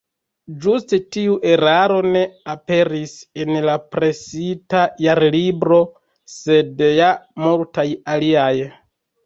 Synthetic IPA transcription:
d͡ʒustetiuʔe̞ɾaɾo̞ne̞ape̞ɾise̞nlapɾe̞sitajaɾlibɾo̞ | se̞djamultajaliaj

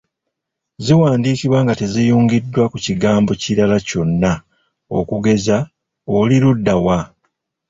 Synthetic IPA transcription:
ziwaːndiːkiβwaːŋɡate̞zijuːŋɡidːwakuciɡaːmbo̞ciɾalaco̞nːa | o̞̰kuɡe̞za | oliludːawa

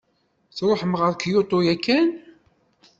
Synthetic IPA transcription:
θɾˤoħəmʁəɾkjot̪ˤːojækːæn

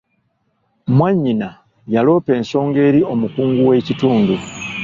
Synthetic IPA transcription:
mwaɲːina | jalo̞ːpe̞ːnso̞ːŋɡe̞ːɾio̞mukuːŋɡuwe̞cituːndu

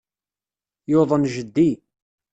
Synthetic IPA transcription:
joðˤənʒəd̪ːi

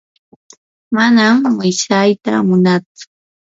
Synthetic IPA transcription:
manamwɪsajt̪a̰mʊnat͡sʊ̥

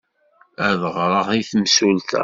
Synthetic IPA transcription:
æðʁɾˤəʁiθmsult̪æ̰

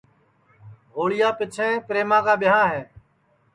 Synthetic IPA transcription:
ɦoːɭɪjaːpɪt͡ʃʰɛ̃ːpɾeːmãːkaːɓɪɦãːɦɛː

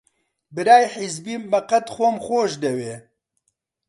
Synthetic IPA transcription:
bɨɾaːjħɪzbiːmːɐqɐt̪xʷomxʷoːʃd̪ɛweː

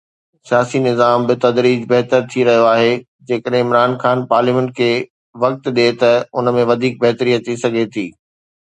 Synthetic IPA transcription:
sijaːsinɪzaːmbɪt̪ɐd̪ɾiːd͡ʑbɐɦt̪əɾt̪ʰiɾɐɦijoaːɦe | d͡ʑeːkəɗɦɪ̃ɪmɾaːnxaːnpaːɾliːmə̃ɳʈ̚kʰeː | ʋɐk̚t̪ɗet̪ɐʊnəmẽʋɐd̪ʱiːk̚bɐɦt̪ɾiːəɐt̪ʰːisɐɡʱet̪ʰiː

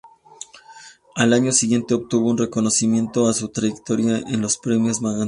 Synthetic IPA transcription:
alaɲo̞siɣje̞nt̪e̞opt̪uβo̞unre̞ko̞nosimje̞nt̪o̞asut̪ɾaʝek̚t̪o̞ɾjaʔenlo̞spɾe̞mjo̞zmaɣa

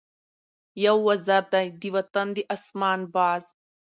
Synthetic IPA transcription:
jɐwːɐzɐɾd̪ɐjd̪iʋɐt̪ɐnd̪iʔɐsmaːnbaːz

